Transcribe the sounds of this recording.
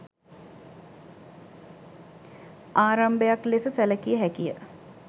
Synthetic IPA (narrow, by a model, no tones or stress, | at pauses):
aːɾɐmbəjaklesəsɛləkijəɦɛkijə